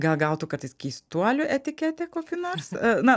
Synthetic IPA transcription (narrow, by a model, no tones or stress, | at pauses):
ɡɐlˠɡɐʊt̪uːkɐtt̪ɐɪskʲɛɪst̪uɔlʲʊʔɛt̪ʲɪkʲæt̪ʲɛkoːkʲɪnoːrsnɐ